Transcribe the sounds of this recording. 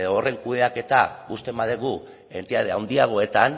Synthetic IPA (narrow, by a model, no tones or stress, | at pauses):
ðoore̞ŋkuðeake̞t̪aust̪e̞mbaðeɣu | e̞nt̪eaðeawnd̪iaɣ̞o̞e̞t̪an